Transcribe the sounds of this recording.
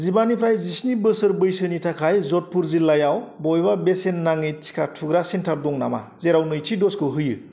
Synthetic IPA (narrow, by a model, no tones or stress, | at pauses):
zibanipʰɾajzisnibɯsɯɾbɯjsɯnitʰakʰajzɔt̚puɾzilːajawbɔjbabesenːaŋitʰi̥kʰatʰuɡɾasentʰaɾdɔŋnama̰zeɾawnɯjtʰidɔskɯɦɯjɯ